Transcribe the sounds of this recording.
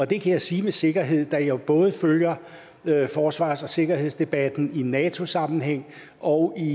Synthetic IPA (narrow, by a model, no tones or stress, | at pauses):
ɒ̽d̥e̝kʰæjäɪsiːmese̝ɡ̥ɐɦe̝ð̰ˠd̥æjob̥ɔ̽ːð̞̩ˠəføljɐ | fɒːsʋɑ̰̈ːsɒ̽se̝ɡ̥ɐhe̝ð̰ˠsd̥e̝b̥æd̥n̩inɛːt͡sʰo̝sɑ̈mn̩ɦheŋ̰ | ʔɒ̽ʊi